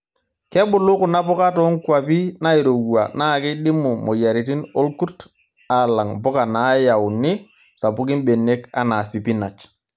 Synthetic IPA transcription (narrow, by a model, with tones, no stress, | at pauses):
kɛ˦bʊ˨lʊ˦kʊ˨na˦pʊ˦ka˦tɔ˦ŋ˦kʷwa˨pi˦na˦i˨ɾo˨ɡua̰˨na˦˨kɪ˦ɗɪ˦mʊ˨mo˨ja˨ɾi˨ti˦no˦lku˦ɾt | a˨la˨ŋpʊ˦ka˨na˨˦ja˨ʊ˨nɪ˦ | sa˨pʊ˦k̬ɪ˦nbe˨ne˦ka̰˦na˨si˨pi˦na˨t͡ʃ